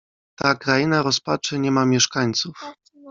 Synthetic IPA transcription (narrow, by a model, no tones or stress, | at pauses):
t̪akɾajinaɾɔspat͡ʂɘɲɛmamʲjɛʂkaɲt̪suf